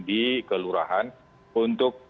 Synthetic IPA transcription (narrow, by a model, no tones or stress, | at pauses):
dikəluɾa̰ɦan | unt̪ʊk̚